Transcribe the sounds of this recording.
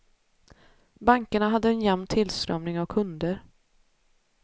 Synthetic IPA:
baŋkəɳaɦad̪ːəɛnjɛmnt̪ʰːɪlst̪ɾœmnɪŋavkʰɵnd̪əɾ

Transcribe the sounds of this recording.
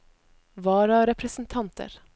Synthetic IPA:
ʋɑːɾɑɾɛpʰɾəsn̩t̪ʰɑnt̪ʰə̰ɾ

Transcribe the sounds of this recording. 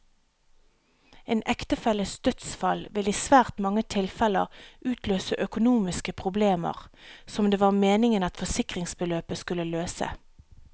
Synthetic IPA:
eːnʔɛkt̪əfɛləsd̪̥œt̪sfɑlʋɪliːsʋæːʁt̪mɑŋət̪ʰɪlfɛlə̰ʁʔʉːt̪løːsəʔœkʊnuːmɪskəpʰʁʊbleːmə̰ʁsɔmd̪eːʋɑːʁmeːnɪŋənɑt̪fɔsɪkʁɪŋsbəløːpəskʉləløːsə̰

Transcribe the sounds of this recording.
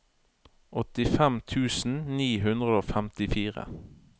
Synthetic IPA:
ʔɔt̪ɪfɛmt̪ʰʉːsn̩niːɦʉnd̪ʁəoːfɛmt̪ɪfiːʁə̰

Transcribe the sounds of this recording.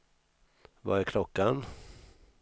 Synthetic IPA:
vaæɾkʰlɔkːan

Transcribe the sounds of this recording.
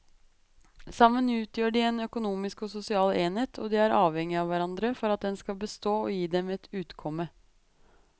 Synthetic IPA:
sɑmːənʉːt̪ʰjøːɖɪeːnœkʊnuːmɪskɔsʊsɪɑːleːnheːt̪ʰɔd̪ɪæɾʔɑːʋhɛŋːɪɑːʋæɾɑnd̪ɾəfɔɾɑt̪̚d̪ɛnskɑlbəst̪oːojiːd̪ɛmɛt̪ʰʉːt̪kʰɔmːə

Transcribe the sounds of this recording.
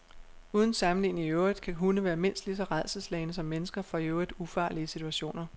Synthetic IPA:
uːð̞ˠən̩sɑ̈mn̩lḭːniŋøʊʁid̥kʰæɦunəʋæːɐme̝n̰sd̥lis̬ɒ̽ʁað̰ˠsəslɛɪnəsɒ̽mːenəsɡ̥ɐfʁɑ̈øʊʁid̥ufɑ̰̈ːliəsit͡sʰuæɕo̝̰ːnɐ

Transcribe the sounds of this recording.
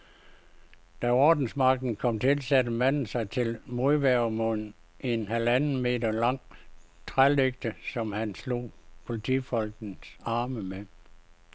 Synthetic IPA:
d̥æɒːd̥n̩smɑ̈ɡ̥̚d̥n̩kʰɒ̽m̰t͡sʰe̝lsæd̥əmæn̰n̩sɑ̈ɪt͡sʰe̝lmo̝ðˠʋæɐmon̩ | ʔe̝nhælænn̩me̝̰ːdɐlɑ̈ŋ̰ | t͡sʰʁaleɡ̥̚d̥əsɒ̽mhænslo̝̰ːpʰo̝lit͡sʰḭfɒ̽lɡ̥n̩sɑ̈ːməme

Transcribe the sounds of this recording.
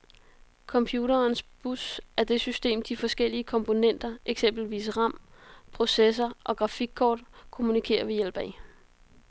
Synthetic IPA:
kʰɒ̽mpʰjuːɾɐːnsb̥usæɐd̥e̝sysd̥e̝̰ːmd̥ifɒ̽sɡ̥el̰iəkʰɒ̽mpʰo̝nen̰d̥ɐeɡ̥sem̰b̥l̩ʋḭːsʁɑ̈m̰pʰʁo̝ses̬ɐʔɒ̽ɡ̥ʁɑ̈fiɡ̥̚kʰɒ̰ːd̥kʰo̝munikʰe̝̰ːɐʋe̝jel̰b̥ɛɪ

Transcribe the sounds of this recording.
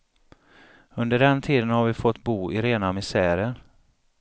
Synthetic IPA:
ɵnd̪əɖɛnt̪ʰiːd̪ənhaɾvɪfɔt̪ːbuːɪɾeːnamɪsæːɾəɾ

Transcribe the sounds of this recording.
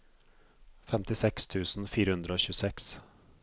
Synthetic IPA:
fɛmt̪ɪsɛkst̪ʰʉːsn̩fiːɾəhʉnd̪ɾəoːɕʉːsɛks

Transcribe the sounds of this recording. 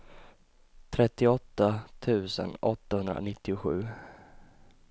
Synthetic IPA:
t̪ʰɾɛt̪ːɪɔt̪ːat̪ʰʉ̟ːsə̰nɔt̪ːahɵnd̪ɾa̰nɪt̪ːɪʊɧʉ̟ː

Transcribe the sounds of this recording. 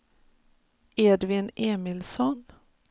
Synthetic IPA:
eːdvɪnʔeːmɪlsɔn

